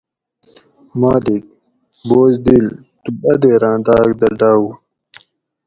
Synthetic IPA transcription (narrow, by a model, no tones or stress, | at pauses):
maːlik̚ | boːzd̪il | t̪ubɐd̪eːɾãːnd̪aːkd̪ɐɖaːwu